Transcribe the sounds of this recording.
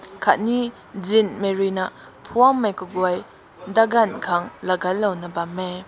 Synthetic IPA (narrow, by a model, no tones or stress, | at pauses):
kʰat̚ni | zinmeɾinɐ | pʰuamːajkuɡuaj | daɡankʰaŋlɐɡalːawnɐbame